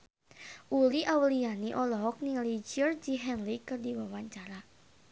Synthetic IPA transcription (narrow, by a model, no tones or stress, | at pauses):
ʔuliʔawlianiʔɔlɔɦɔk̚nilid͡ʒərd͡ʒiɦɛnlikərdiwawaɲt͡ʃaɾa